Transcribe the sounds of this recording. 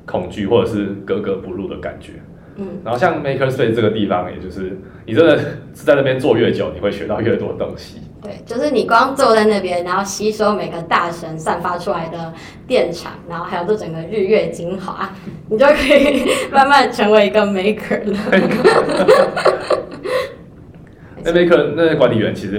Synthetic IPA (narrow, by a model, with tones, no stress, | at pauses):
kʰʊ˨˩ŋt͡ɕy˥˧xwɔ˥˩ʈ͡ʂɤ˨˩ʂɻ̩˥˩kɤ˧˦˥kɤ˧˥pu˧˦lu˥˩d̪ə̰˩ka̰˨˩nt͡ɕɥɛ̰˧˦ | n̩˥˩na˨˦nxo˥˧ʊɕjɑ˥˩ŋme˧ɪkʰə˧˥spe˥˩˧ʈ͡ʂɤ˥˩ɡə˩t̪i˥˨˩fɑ̰˦ŋɛ̰˨t͡ɕjo˥˧ʊʂɻ̩˥˩ | ni˨ʈ͡ʂə˦nd̪ə˨˩t͡s̩˧˥t͡sa˥˧ɪna˥p̬jɛ˥˦nt͡swɔ˥˧ɥɛ˥˩t͡ɕjo˨˦ni˨˩xwe˥˩ɪɕɥɛ˧˦t̪ɑ˥˧ʊɥɛ˥˩t̪wɔ̰˦də˩t̪o˧˦˥ŋɕi˨˦t̪we˥˩ɪt͡ɕjo˥˧ʊʂɻ̩˥˩ni˨˩kwɑ˦ŋt͡swɔ˥˧t͡sa˥˧ɪna˥˧˩pjɛ˦nɻa˧˥nxo˥˩ʊɕi˧˥˧ʂ̩˧˥jo˧ʊme˨˩ɡə˧˦t̪a˥˩ʂə˧˥ŋswa˥˩nfa˥ʈ͡ʂʰu˦la˧ɪd̪ə˨ | t̪jɛ˥˩nʈ͡ʂʰɑ̰˨˩˦ŋna˨˧˥nxo˥˩a˧˥jt͡sɔ˥˩ʈ͡ʂə˨˩ŋɡə˩ɻy˥˧ɥɛ˥˩t͡ɕi˥ŋxwa̰˨˦ | ni˨˩t͡ɕjo˥˩ʊkʰə˧˥i˨˩ma˥˧nma˥˩nʈ͡ʂʰɤ˧˥ŋwe˧˥ɪi˧˥ɡə˨me˧˥ɪkʰə˨˩lə˩ | e˥˩me˥ɪkʰə˧˩na˥˩˥kwa˧˦nt̪ʰi˨˩ɥɛ̰˧˦nt͡ɕʰi˧˥ʂɻ̩˧˦